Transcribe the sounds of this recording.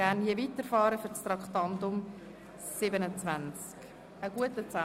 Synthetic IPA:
ænjevitəɾfɑːɾəfʏɾt͡st̪ɾɑkχtɑnt̪ʊm | sɪbənət͡svænt͡sk | əɡ̥uətət͡sæ

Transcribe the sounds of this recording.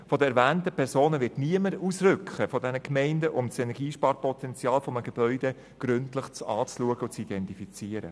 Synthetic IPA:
fɔdəɛɾʋæːntəpʰɛɾsoːnəvɪɾtniəməɾusɾʏkχəfɔdɛnəkmɛɪndəʔʊmsɛnɛɾɡiːʃpɑːɾpɔtɛnt͡sjɑːlfɔməɡ̥eb̥œʏd̥e | ɡ̥ɾʏntləχt͡sɑːt͡sluəɡəʊt͡sid̥ɛntifit͡siːəɾə̰

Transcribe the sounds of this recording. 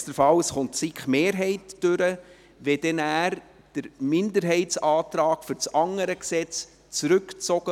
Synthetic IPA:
təɾfɑwsχʊntt͡sikχmeːɾɦɛɪtːøɾə | ʋɛd̥ɛnæːɾ | d̥əɾmɪndəɾɦɛɪtsɑːt̪ɾɑːkfʏɾt͡sɑŋəɾəksɛt͡s | t͡sɾʉkt͡sɔɡ̥ə

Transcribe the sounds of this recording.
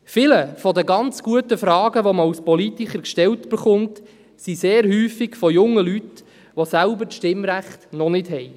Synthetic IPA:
fɪləfɔdəɡɑnt͡sɡ̥uətəfɾɑːɡəʋɔməawspɔlitiχəɾkʃtɛltb̥ɪχʊnt | siseːɾhyːfiɡfɔjʊŋːəlyt | ʋosælbəɾʃtɪmɾæχtnɔnɪd̥ɦɛj

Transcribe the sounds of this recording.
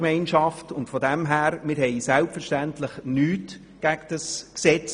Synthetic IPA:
mɛɪnʃɑftʊntfɔdɛmɦæːɾmɪɾhɛɪsælpfɛɾʃtæntləχnyːt | ɡ̥æɡd̥əsksɛt͡s

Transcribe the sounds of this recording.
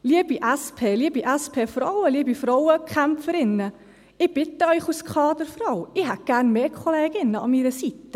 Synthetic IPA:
liəbiʔæspʰeːliəbiʔæspʰeːfɾɔwəliəbifɾɔʊəkχæmpfəɾɪnːə | ɪb̥ɪtəœʏχuskʰɑːd̥̪əɾfɾɔʊɪɦæt̚ɡ̥æɾnmeːkʰɔleːɡ̥ɪnːəɑmiɾəsit̪ːə

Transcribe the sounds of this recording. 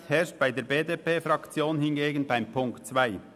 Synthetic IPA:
hɛɐʃt̚b̥aɪdeːɐbeːdeːpeːfʁɑkt͡sjoːnhɪnɡeːɡənbaɪmpʰʊŋktt͡svaɪ

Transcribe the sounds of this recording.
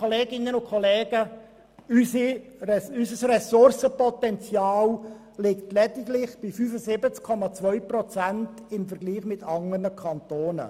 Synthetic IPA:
kɔleːɡɪnːənʊkʰɔleːɡə | ysiɛysəsrɛsʊrsəpɔtɛnt͡sjɑːl | lɪktlɛdɪɡlɪχb̥ifyːfəsɪbət͡skʰːɔmɑt͡svœʏprɔt͡sænt | ɪmfəɾɡliːχmɪtɑŋənəkʰɑntoːnə̰

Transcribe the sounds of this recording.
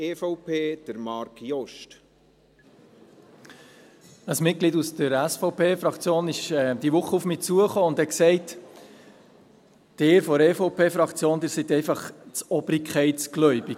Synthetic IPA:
efɔʊpʰeːd̥əɾmɑɾkjɔʃt | əsmɪt̚ɡlidusd̥əɾæsfɔʊpʰeːfɾɑkt͡sjoːnɪʃɛd̪iʋʊχːəufmiːt͡suəχoːʊndhɛksɛɪt | d̥eːɾfɔɾeːfɔʊpʰeːfɾɑkt͡sjoːnd̪ɪːɾsit̪ɛɪfɑχt͡sɔb̥ɾikχɛɪtsɡ̥lœʏbi

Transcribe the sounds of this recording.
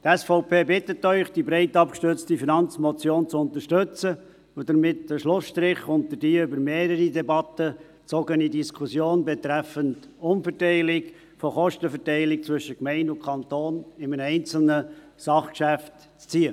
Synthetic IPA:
t̪ɛsfɔʊpʰeːbɪtətːœʏχd̥ibɾɛɪtɑpkʃtʏt͡stifinɑnt͡smɔt͡sjoːnt͡sʊnt̪əɾʃtɵt͡sə | ʊd̥əɾmɪtdəʃlʊsʃtɾɪχʊnt̪əd̥iːʏbəɾmeːɾəɾidɛbɑtə | t͡sɔɡənidiskʰʊsjoːnbɛt̪ɾæfənt | ʊmfɛɾtɛɪlɪk | fɔχɔʃtəfɛɾtɛɪlɪk̚t͡sʋʏʃəkmɛɪndʊnkʰɑnt̪oːnɪmənɛɪnt͡sl̩nə | sɑχkʃæft | t͡st͡siːə

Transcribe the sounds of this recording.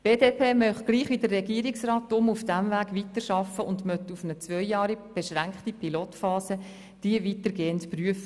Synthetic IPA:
b̥eːdeːpʰeːmœχɡ̥liːχʋidərːɛɡiːəɾɪksrɑːtːʊmufd̥æmvæːɡʋitəɾʃɑfəʊndmœtufənət͡sʋœjjɑːɾib̥ɛʃʁæŋkχtipʰiloːtfɑːsə | d̥iəvitəɡeːəntpryəfə

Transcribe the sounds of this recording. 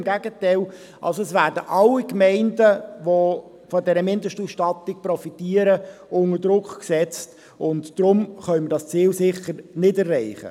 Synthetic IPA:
mɡæɡətɛɪl | ʔɑ̰lsoɛsʋæːɾdəʔɑlːikmɛɪndəʋo | fɔdɛɾəmɪndəʃtusʃtɑtːɪk̚prɔfitiːəɾəʊŋəɾdɾʊkχksɛt͡st | ʊntd̥ɾʊmχœʏməɾdɑst͡siːlsɪχəɾnɪdɛrːɛɪχə̰

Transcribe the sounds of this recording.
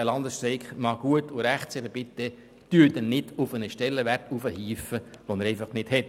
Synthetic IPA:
ɛlɑnd̪əsʃtɾɛɪkχmɑːɡ̥uətʊɾæχtsɛχəb̥ɪt̪ːə | tyd̪ɛnnɪd̥ʊfənəʃtɛlːəʋærtufəhiːfəʋonəɾɛɪfɑχnɪd̥hɛt

